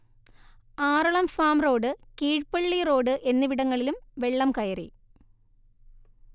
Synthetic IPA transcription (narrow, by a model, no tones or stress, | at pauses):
aːɾuɭɐmfaːmro̞ːɖɨkiːʈpɐɭːiro̞ːɖɨʔe̞nːɨʋiɽɐŋːɐɭilumʋe̞ɭːɐmkɐjɐrḭ